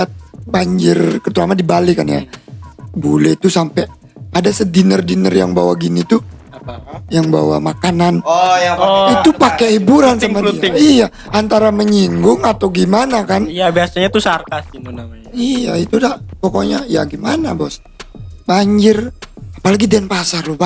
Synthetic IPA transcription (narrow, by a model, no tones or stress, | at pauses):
at̪̚baɲd͡ʒɪrkət̪uɾamadibalikanja̰ | bolɛt̪usampɛ | adasədinərdinə̰rja̰ŋba̰waɡinit̪u | jaŋba̰wa̰makanan | it̪upakɛhibuɾansamaija | ant̪aɾaməɲiŋɡʊŋat̪awɡimanakanabiasaɲat̪usart̪asi | ijait̪udapɔkɔɲaja̰ɡimana̰bɔs | baɲd͡ʒɪrapalaɡidɛnpasarluba